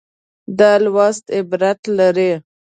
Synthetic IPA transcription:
d̪ɑlwɑst̪ɪbɾat̪laɾe

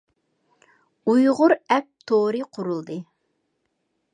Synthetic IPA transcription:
ujʁʊɾɛp̚t̪ʰoɾɨqʰʊɾulˠd̪ɨ

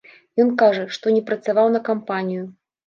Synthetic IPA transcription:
jɔnkaʐɐʂt̪ɔnʲɛpɾɐt̪savawnɐkampanʲiju

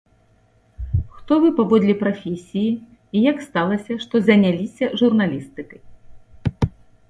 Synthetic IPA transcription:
xt̪ɔvɨpavɔd̪lʲɛpɾafʲesʲiji | ijakst̪alˠɐsʲɐʂt̪ɔzʲɐnʲalʲisʲɐʐurnalʲist̪ɨkɐj

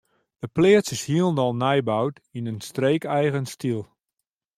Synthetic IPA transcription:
d̥əplɪəsɪshiəlˠndɔlˠnɛjbawtinənstreːkɛjɣənstilˠ

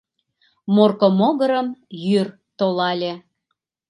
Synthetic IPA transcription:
morkomoɣəɾəmjyr | t̪olɑlʲe

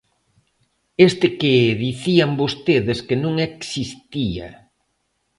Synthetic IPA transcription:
est̪ɪkeðiθiambost̪eðeskenũŋɛksist̪ia̰

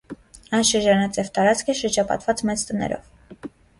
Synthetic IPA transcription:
ɑjnʃəɾd͡ʒɑnɑt͡sjɛvt̪ɑɾɑt͡skʰəʃəɾd͡ʒɑpɑ̰t̪vɑt͡smɛt͡st̪ənɛ̰ɾɔ̰v

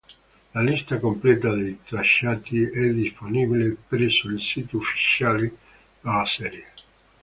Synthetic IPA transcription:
lalist̪akomplɛːt̪ad̪ejt̪ɾaʃːaːt̪iɛd̪ːisponibilepɾɛsːoilsiːt̪iofːi̥t͡ʃaːli | alasɛɾje

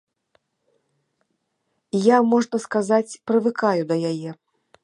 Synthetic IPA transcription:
jamɔʐnɐskazat͡sʲpɾɨvɨkajud̪ɐjajɛ

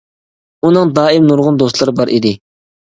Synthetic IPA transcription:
unɨŋd̪ɑːimnuɾʁʊnd̪ost̪lˠɑɾɨbɑɾʔḭd̪ɪ

